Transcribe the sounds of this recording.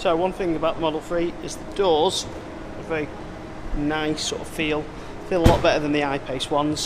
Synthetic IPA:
soʊwʌ̃nθɪ̃ŋəbaʊʔðəmɒdˡl̩ˠfɹiːɪzðədɔːz̥ | əvɛɹi | naɪsɔ̰ːˑtəv̥fiːlˠ | fiːlˠəlɔʔb̥ɛtəðə̃nðiaɪpʰeɪswʌ̃nz̥

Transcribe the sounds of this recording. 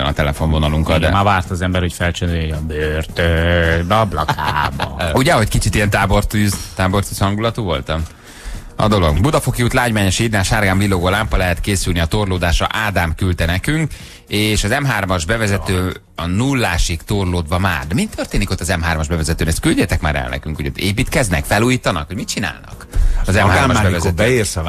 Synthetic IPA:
ɛ̰nɒ̰t̪ɛlɛfo̞nvo̞nɒluŋkɒd̪ɛ̰maːvaːrt̪ɒːzɛmbɛrho̞cfɛlt͡ʃɛnejɒbørt̪ød̪ɒblɒ̰kaːbɒ̰uɟɛɦo̞ckit͡ʃit̪ijɛnt̪aːbo̞rt̪yːzt̪aːbo̞rt̪yːshɒŋɡulɒt̪uːvo̞lt̪ɒm | ɒ̰d̪o̞lo̞ɡbud̪ɒfokijut̪laːɟmaːɲoʃiːd̪naːʃaːrɡaːɱvilːoɡoːlaːmpɒlɛɦɛt̪keːsylniɒt̪o̞rloːd̪aːʃɒ̰ʔaːd̪aːmkylt̪ɛnɛkyŋk | eːʃɒzɛmɦaːrmɒʒbɛvɛzɛt̪øː | ɒnulːaːʃikt̪orloːd̪bɒma̰ːrd̪ɛmit̪ʰːørt̪eːniko̞t̪ːɒzɛmɦaːrmɒʒbɛvɛzɛt̪øːnɛst̪kylɟeːt̪ɛkma̰ːɾɛ̰lnɛ̰kyŋkoɟo̰t̪ːḛːpiːt̪kɛznɛkfɛluːjiːt̪ɒnɒkho̞ɟmit̪̚t͡ʃina̰ːlnɒ̰kɒzɛmhaːrɒbɛvɛzɛtbɛeːs

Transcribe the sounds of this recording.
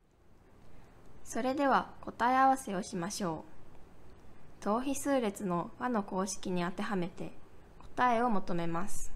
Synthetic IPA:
so̞ɾe̞d̪e̞β̞ako̞t̪aeaβ̞ase̞o̞ɕimaɕo̞ː | t̪o̞ːçisɨːɾe̞t͡sɨno̞βano̞ko̞ːɕi̥kʲiɲ̟iat̪e̞ɦame̞t̪e̞̰ko̞̥t̪ae̞o̞mo̞t̪o̞me̞masɨ̥

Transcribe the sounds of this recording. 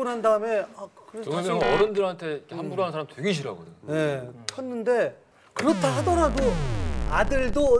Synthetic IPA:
unɦandaɯme̞akkɯɾeʌɾʌndɯɾantʰe̞ikʰeanbuɾanɯnsʰaɾamtwe̞ɡeɕ̬ʰiɾa̰ɡodene̞ʌnːɯnde̞ | kɯɾʌtʰaɦadʌɾadoadɯɭdo

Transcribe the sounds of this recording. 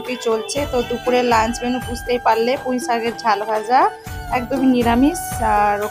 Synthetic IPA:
pit͡ɕolt͡ɕʰet̪od̪upuɾelansbenopust̪ejpalːepõj̃saɡeɾd͡ʒʱaloɦaza | ɛk̚d̪ominiɾamisaɾo

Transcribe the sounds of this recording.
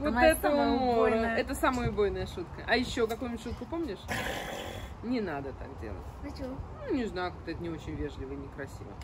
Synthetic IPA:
vot̪ɛt̪əʊmoəɛt̪əsaməjʊbo̞jnəjəʂut̪kəʔɐjɪɕːokɐkujʊbʲtʲʂut̪̚kʊpo̞mnʲɪʂ | nʲɪnad̪ət̪a̰kdʲḛlˠə̰ttʲonunʲɪznajʊkak̚t̪əɛt̪ənʲɪo̞t͡ɕɪnʲvʲe̞ʐlʲɪvəɪnʲɪkɾɐsʲḭvə̰

